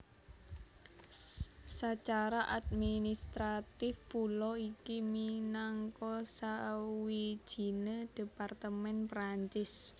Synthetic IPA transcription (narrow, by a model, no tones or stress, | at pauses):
sat͡ʃaɾaʔad̪̚minist̪ɾat̪ɪfpulɔikiminaŋkɔsawi̥ʒ̥i̤nəd̥e̤part̪əmɛnpɾaɲt͡ʃɪs